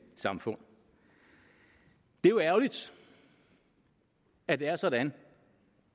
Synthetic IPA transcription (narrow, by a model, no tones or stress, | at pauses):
sɑ̈mfɔ̽n̰ | d̥e̝joæɐʊlid̥ | æd̥e̝æɐsɒ̽dæn